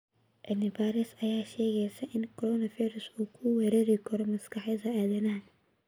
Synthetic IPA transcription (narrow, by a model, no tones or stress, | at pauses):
ʔɛnɪbaːɾɛsɐjaːʃɛːɣɛjsɐʔɪnkʰɔɾɔːnɐfijɾɐsuːkʰʊwɛːɾɛːɾɪkʰɐɾɔmɐskɑħɛðɐʔaːðɐnɐɦɐ